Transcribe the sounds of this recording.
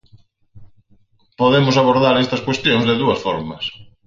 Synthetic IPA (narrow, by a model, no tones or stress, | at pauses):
poðemʊsaβoɾðaɾest̪ɐskwest̪joŋzðeðuɐsfɔɾmɐs